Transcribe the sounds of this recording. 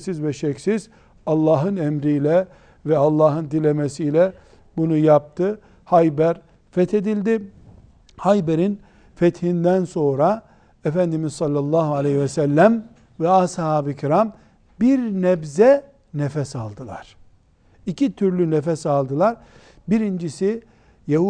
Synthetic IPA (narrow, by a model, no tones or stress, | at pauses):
sizvɛʃɛksiz̥ | ɑlˠːɑːɦɯnɛmɾijlʲɛ | vɛalˠːɑːɦɯnd̪ilʲemesijlʲɛ | bunujap̚t̪ʰɯ | hajbæɾ | fɛt̪ʰe̞d̪ilʲd̪i | hajbeɾin | fɛt̪hind̪ænso̞nɾa | efænd̪imizsɑlʲːalˠːaːɦualʲehivɛsælʲːæm | vɛashaːbicʰiɾam | biɾnɛbzɛ | nefɛsalˠd̪ɯlˠa̰ɾ̥ | icʰit̪ʰyɾlʲynefɛsalˠd̪ɯlˠaɾ | biɾind͡ʒisi | jahu